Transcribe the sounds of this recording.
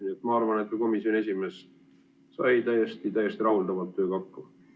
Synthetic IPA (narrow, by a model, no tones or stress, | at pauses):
et̪ːˑmɑɑrvɑnet̪kuko̞misjoie̞sʲime̞s | sɑ̰jt̪æjːest̪it̪æjːest̪iɾɑɦuld̪ɑvɑlt̪ːø̞ːkɑkːu